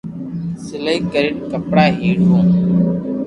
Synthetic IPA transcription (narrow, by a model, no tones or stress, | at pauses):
sɪləiːkəɾɪʈkəpɽaːɦiːɽɦõː